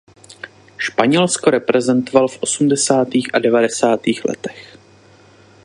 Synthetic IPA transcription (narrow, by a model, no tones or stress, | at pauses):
ʃpaɲɛlskoɾɛpɾɛzɛnt̪o̞valfʔo̞sumdɛsaːt̪iːxʔadɛvadɛsaːt̪iːxlɛ̰t̪ɛ̥x